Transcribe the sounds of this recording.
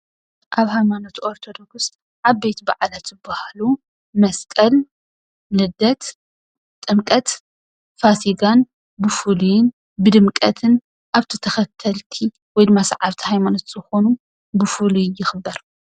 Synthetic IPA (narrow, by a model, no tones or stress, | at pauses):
ʔaβhajmanot̪ʰoɾt̪ʰo̞d̪o̞ɡs | ʔaβbe̞t̪ba̰ʕlat̪zɨbːahalu | mɐskʼɐl | nɨd̪ɐt̪ | t̪ʼɨmkʼɐt̪ | fasiɡan | bɨfulujɪn | bɨd̪ɨmkʼɐt̪ʰɨn | ʔaβt̪ʰɨt̪ʰɐxɐt̪ʰːɐlt̪ʰi | wɔjd̪ɨmːasa̰ʕaβt̪ʰi̥hajmanot̪z̥ɨxo̞nu | bɨfulujɪxɨbːɐɾ